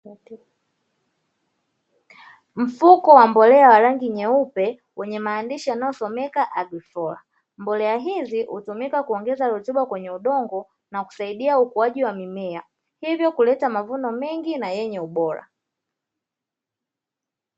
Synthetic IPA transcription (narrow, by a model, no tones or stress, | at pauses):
m̩fukɔwambɔlɛawaɾaŋɡiɲɛupɛ | wʔɛɲɛmaːndiʃianaɔsɔmɛkaʔaɡwifɔla̰ | mbɔlɛaɦizihṵtumikakuɔŋɡɛzaɾɔtuɓakwɛɲɛuɗɔŋɡɔ | naku̥saiɗiaukuaʄiwamimɛa | hivjɔkulɛtamavunɔmɛŋɡinajɛɲɛuɓɔɾa̰